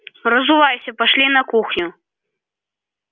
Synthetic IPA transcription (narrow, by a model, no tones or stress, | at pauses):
rɐzuvajsʲɐpaʂlʲinɐkuxnʲu